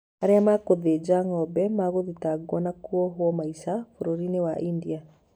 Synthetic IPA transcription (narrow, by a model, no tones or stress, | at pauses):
aɾeamakoðed͡ʒaŋɔbɛmaɣoðitaɡɔnakuɔɦwɔmaiʃafoɾoɾinewaʔindia